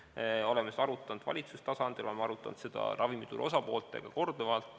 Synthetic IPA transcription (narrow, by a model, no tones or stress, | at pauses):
olemeseɑɾut̪ːˑɑnd̪̥vɑ̰lʲit̪sust̪ɑsɑnd̪̥ilo̞lemeɑɾut̪ːˑɑnd̪sed̪̥ɑ̰ɾʔɑvimit̪uɾo̞sɑpo̞ːlt̪ːˑe̞̰ɡ̥ɑko̞rd̪̥ovɑlt̪ːˑ